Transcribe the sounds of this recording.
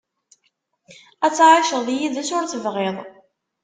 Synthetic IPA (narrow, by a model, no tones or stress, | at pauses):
æt͡sːʕaʃəʁðijiðæsʊɾt͡səvʁeðˤ